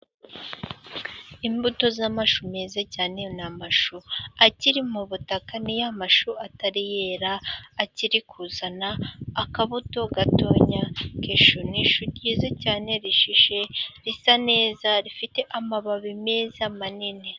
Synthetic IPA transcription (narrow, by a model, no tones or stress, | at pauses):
imbuto̞zamaʃumeːzacaːne̞namaʃuaciɾimuβutakanijamaʃuataɾijeːɾaːciɾikʰuzanaːkaβuto̞ɡato̞ːɲakeʃuniʃuɟiːzacaːne̞ɾiʃiʃe̞ɾisane̞ːzaɾifite̞ʔamaβaβimeːzamanine